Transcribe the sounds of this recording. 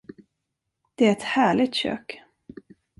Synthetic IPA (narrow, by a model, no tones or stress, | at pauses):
d̪̥ɛæɾɛt̪hæːɭɪɡ̚t̪ɕø̰ːk